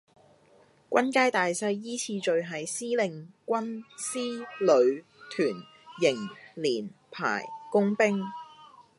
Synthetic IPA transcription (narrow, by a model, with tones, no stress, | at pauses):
kʷɐ˥nkaː˥jt̪aː˨jsɐ˧jːiː˥t͡sʰiː˧t͡ʃɵ˨ɥɦɐ˨jsiː˥lɪ˨ŋkʷɐ˥nsiː˥lɵ˨˧ɥ | t̪ʰyː˨˩n | jɪ˨˩ŋliː˨˩npʰa̰ː˨˩jkʊ˥ŋpɪ˥ŋ